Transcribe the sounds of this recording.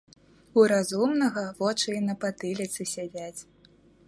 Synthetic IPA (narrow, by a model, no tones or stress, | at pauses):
uɾazumnɐɣɐvɔt͡ʂɨinɐpat̪ɨlʲit̪sɨsʲad͡zʲat͡sʲ